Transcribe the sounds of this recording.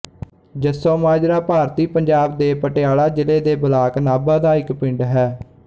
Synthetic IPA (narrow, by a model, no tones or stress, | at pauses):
d͡ʒəsːõːmaːd͡ʒɾaːpaːɾt̪iːpəɲd͡ʒaːbd̪eːpəʈeaːlaːd͡ʒɪleːd̪eːbəlaːknaːbaːd̪aːɪkpɪ̃ɳɖɦɛː